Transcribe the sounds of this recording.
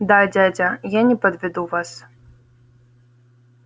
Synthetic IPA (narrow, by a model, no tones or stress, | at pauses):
d̪ad͡zʲad͡zʲɐjanʲɛpɐd̪vʲɛd̪uvas